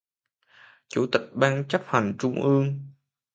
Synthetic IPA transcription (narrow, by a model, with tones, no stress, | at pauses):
t͡ɕṵ˧˩˦t̪ï˨˩k̚ɓaː˧nt͡ɕə˦˥p̚ha˨˩jŋ̟t͡ɕʊ˧ŋ͡mʔɨ˧əŋ